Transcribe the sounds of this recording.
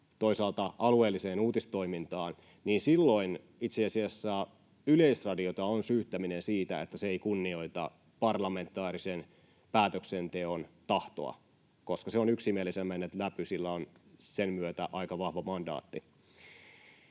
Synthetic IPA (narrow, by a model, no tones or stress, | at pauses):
t̪oisɑːlt̪ɑʔɑlueːlːiseːnuːt̪ist̪o̞imint̪ɑːn | niːnsilːo̞in | it̪seɑsiɑsːæ | yle̞isrɑdiot̪ɑonsyːt̪ːæminensiːt̪æḛt̪ːæseeikunːio̞it̪ɑ̰ | pɑrlɑme̞nt̪ːˑɑːɾisen | pæːt̪øksent̪e̞ont̪ɑht̪o̞̰ɑ̰ | ko̞skɑseonyksimielisemːænːet̪læpysilːæonsenmyøt̪æʔɑikɑʋɑhʋɑmɑndɑ̰ːt̪ːi